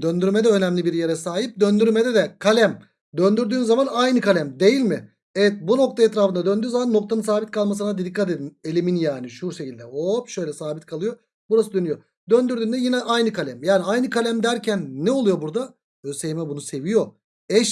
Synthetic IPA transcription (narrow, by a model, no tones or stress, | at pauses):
d̪ønd̪yɾmɛd̪ɛø̞næmlʲibiɾje̞ɾɛsaːɦip̚d̪ønd̪yɾmɛd̪ɛd̪ɛkʰalʲæm | d̪ønd̪yɾd̪yːnzamanajnɯkʰalʲæmd̪e̞jilʲmɪ | ɛvɛt̪̚buno̞k̚t̪ʰaɛt̪ɾaːfɯd̪ad̪ønd̪yːzamanːo̞k̚t̪ʰanɯnsaːbit̪̚kʰalˠmas̬ɯnad̪ed̪ikʰːat̪ed̪ine̞lʲeminjaːniʃuɾʃecilʲd̪ɛoʃø̞jlʲɛsaːbit̪̚kʰalˠɯjo̞ | buɾas̬ɯd̪ønyjo | d̪ønd̪yɾd̪yːnd̪ɛjinɛʔajnɯkʰalʲæmjaːniajnɯkʰalʲæmd̪æɾcʰænːɛo̞lˠujo̞buɾd̪a | øsejmɛbunuse̞vijo̞ | ɛʃ